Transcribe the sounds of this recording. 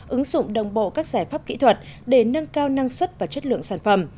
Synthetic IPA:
ʔɨ˨˦ŋzʊ̰˧˨ŋ͡mɗə˨˩wŋ͡mɓo̰˧˨kaː˦˥k̚z̥aː˧˩jfaː˦˥p̚kḭ˧˥t̪ʰwə˨˩t̚ɗe˧˩nə˧ŋkaː˧wna˧ŋswə˦˥t̚vaː˨˩t͡ɕə˦˥t̚lɨ̰˧˨əŋsaː˧˩nfə˨˧˩m

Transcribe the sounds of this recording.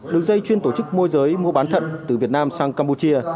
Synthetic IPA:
ɗɨ˨˩əŋzə˧jt͡ɕwi˧ənt̪o˧˩t͡ɕɨ˦˥k̚mu˧jzəː˨˦jmu˧əɓaː˨˦nt̪ʰə̰˧˨nt̪ɨ˨˩vi˨˩ət̚naː˧msaː˧ŋkaː˧mpu˧t͡ɕi˧ə

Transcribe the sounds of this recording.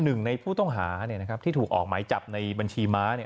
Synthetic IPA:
nɯ˨˩ŋna˧jpʰuː˥˩t̪ɔ˥˩ŋɦaː˩˦ni˥˩ɐna˦˥kʰa˦˥pt̪ʰiː˥˩t̪ʰːk̚ʔɔ̰ː˨˩k̚maː˩˦jt͡ɕa˨˩p̚na˧jba˧nt͡ɕʰiː˧maː˦˥ni˥˩˨

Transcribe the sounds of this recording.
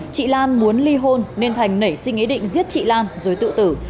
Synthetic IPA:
t͡ɕḭ˧˨laː˧nmu˨˦ənli˧ɦo˧nːe˧nt̪ʰa˨˩jŋ̟nə˨˧˩jsï˧ŋ̟ʔi˨˦ɗḭ̈˧˨ŋ̟zi˦˥ət̚t͡ɕḭ˧˨laː˧nzo˨˩jt̪ɨ̰˧˨t̪ɨ˧˩

